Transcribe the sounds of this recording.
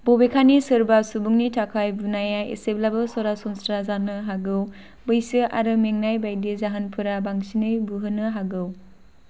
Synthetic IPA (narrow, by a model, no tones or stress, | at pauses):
bobekʰanisɯɾbasubuŋnitʰakʰajbunajaḛseblabɯsɔɾasɔnstɾazanɯɦaɡɯw | bɯjsɯʔa̰ɾɯmeŋnajbajdizaɦanpʰɯɾabaŋsinɯjbuɦɯnɯɦaɡɯw